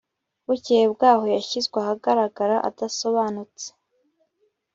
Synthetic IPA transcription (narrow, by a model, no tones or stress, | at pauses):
βucihebɡaːho̞jaçizɡweahaɡaɾaɡaɾaʔa̰daso̞βaːnut͡se̥